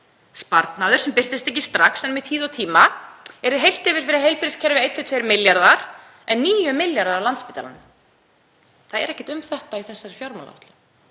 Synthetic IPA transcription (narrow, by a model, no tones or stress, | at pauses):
spaɾt̪naðʏ̥sɛmpɪr̥t̪ɪst̪ɛhcɪst̪ɾaxsɛnmvɪðt̪ʰiːðawt̪ʰiːmaɛɾðʏɦejl̥t̪ɪvɪɾ̥fɪɾaðɦejlpɪɾɪscʰɛɾvɪejt̪ʰːɪt̪ʰvejɾmɪljaɾðaɾ̥ | ɛnːiːjʏmɪljaɾðaɾlant̪spɪːt̪a̰la̰nʏm | θaðɛ̰ɾɛhcɪ̥ht̪ʏmθɛht̪aiθɛsːaɾfjawɾma̰la̰ht̪lɪ